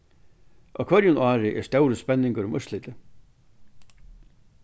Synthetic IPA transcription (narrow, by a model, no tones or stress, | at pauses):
ʔɔ̰wkʰvœɾjʊnaːɾɪʔɛ̰̥st̪œwɾəspɛnːɪŋkəɾʊmʔʏslɪːt̪ɪ